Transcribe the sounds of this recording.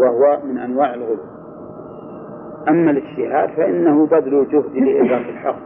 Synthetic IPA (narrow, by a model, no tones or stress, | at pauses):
wahwamɪnʔanwaːʕɪlɣʊluː | ʔamːalɪd͡ʒt̪ɪha̰ːd̪faʔɪnːahʊbad̪alud͡ʒʊhd̪ilɪʔɪzanɪlħɑ̰q